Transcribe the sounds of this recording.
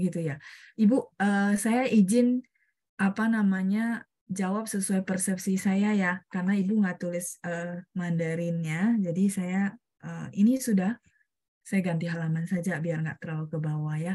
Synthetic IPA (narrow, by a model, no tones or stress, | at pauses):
ɡit̪ujaibuəːsajaʔid͡ʒɪn | ʔapanamaɲa | d͡ʒawap̚səsuajpərsɛp̚sisajajakarnaibuŋɡaʔt̪ulɪsəmandəɾɪnɲad͡ʒadisaja | ʔəːinisudah | sajaɡant̪iɦalamansad͡ʒabiarŋɡa̰ʔt̪əɾalukəbawaja